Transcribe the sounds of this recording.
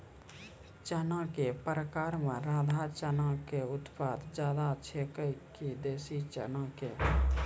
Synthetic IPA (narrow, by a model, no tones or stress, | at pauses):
t͡ʃənãkepəɾəkaːɾmẽɾãːd̪ʱat͡ʃənãkeʊt̪paːd̪d͡ʒjaːd̪at͡ʃʰekəjkid̪eːsit͡ʃə̰nãke